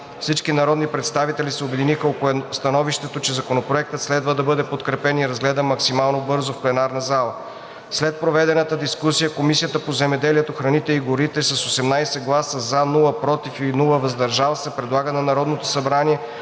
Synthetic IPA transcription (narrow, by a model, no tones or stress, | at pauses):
fsit͡ʃkinɐɾɔd̪nipɾɛt̪st̪avit̪ɛlisɛobɛd̪inixəokɛst̪ɐnɔviʃt̪ɛt̪ot͡ʃɛzɐkonopɾoɛk̚t̪ət̪slɛd̪vəd̪ɐbɤd̪ɛpot̪kɾɛpɛniɾɐzɡlɛd̪əmɐksimalˠnobɤɾzofplɛnaɾnɐzalˠə | slɛt̪̚pɾovɛd̪ɛnət̪əd̪iskusijəkomisijət̪əpozɛmɛd̪ɛliɛt̪oxɾɐnit̪ɛiɡoɾit̪ɛsɐsosɛmnajsɛɡlˠasəzanulˠəpɾɔt̪ifinulˠəvɐzd̪ɐɾʒalˠsɛpɾɛd̪lˠaɡənɐnɐɾɔd̪not̪osɐbɾaniɛ